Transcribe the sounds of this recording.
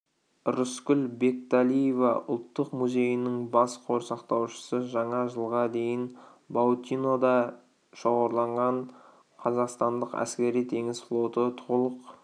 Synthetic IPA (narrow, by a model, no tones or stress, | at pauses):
rʊskʲʏlbe̞k̚t̪alʲijevɑʊ̰lˠt̪ːəqmuze̞jənɪŋbɑsqʰo̞ɾsɑqt̪ɑwʃə̥səʒɑɴɑʒəlˠʁɑd̪e̞jɪnbawt̪ʲino̞d̪ɑ | ʃo̞ʁɑɾlˠɑɴʁɑɴ | qʰɑzɑqst̪ɑnd̪əqæ̰skʲe̞ɾijt̪ʰe̞ŋɪzflˠo̞t̪ət̪ʰolˠəq